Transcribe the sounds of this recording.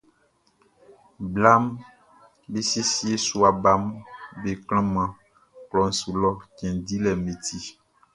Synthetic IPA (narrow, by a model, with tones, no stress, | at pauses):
bla˦m | be˦si˦si˦e˦su˦a˨ba˦mbe˨kl̃ɔ̃˦mã˨ | klɔ˨n̩˨su˨lɔ˦t͡ʃɛ̃˨di˦lɛ˨mẽ˨t̪ʰi˦